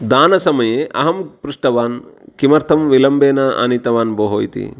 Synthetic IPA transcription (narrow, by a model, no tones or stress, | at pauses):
d̪aːnɐsɐmɐjeːʔɐ̰ɦɐmpɾuʂʈɐʋaːnkimɐɾt̪ʰɐmʋilɐmbeːnɐʔa̰nit̪ɐʋaːnboːɦoːjt̪ḭ